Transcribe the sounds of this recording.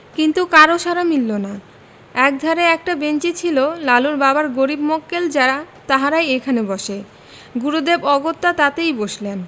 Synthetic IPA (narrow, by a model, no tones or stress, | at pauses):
kint̪ukaɾoʃaɾamilːona | ɛk̚d̪ʱaɾeɛk̚ʈabent͡ɕit͡ɕʰilolaluɾbabaɾɡoɾibmokːeld͡ʑaɾa | t̪aɦaɾajekʰanebɔʃe | ɡuɾud̪ebɔɡot̪ːat̪at̪ejboʃlen